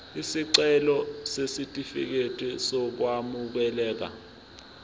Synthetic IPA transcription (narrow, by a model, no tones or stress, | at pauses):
isiǀɛlɔsesitʼifḭk̬etʼisɔk̬wamuk̬ɛlɛːk̬a̰